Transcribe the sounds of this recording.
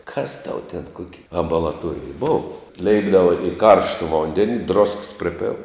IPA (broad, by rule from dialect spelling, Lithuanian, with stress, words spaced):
kɐs tɐʊ tʲɛn ˈkuɔkʲɪ ɐmbɐlˠɐˈtuɔrʲɪj ˈboːʋɐ ˈlʲɛɪbdɐʋɐ ɪ ˈkɐrʃtɐ ˈʋoːnʲdʲɛnʲɪ droːsks ˈpʲrʲɪpʲeːlˠ